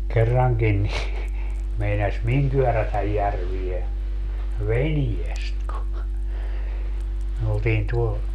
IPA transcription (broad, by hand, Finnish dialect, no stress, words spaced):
kerːɑŋkin ni meinɑs miŋ kyørætæj jærʋie ʋeniest ku myø oltiːn tuo